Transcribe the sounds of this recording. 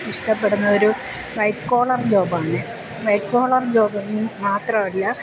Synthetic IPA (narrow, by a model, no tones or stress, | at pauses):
iʂʈɐpːe̞ɽunːɐðoɾu | ʋɐjtko̞ːɭɐrd͡ʑo̞ːbaːɳɨ | ʋɐjtko̞ːɭɐrd͡ʑoːbɐnːɨmaːt̪rɐmilːɐ